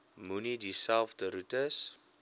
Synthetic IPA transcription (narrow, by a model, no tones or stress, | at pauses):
munidisawftəɾutəs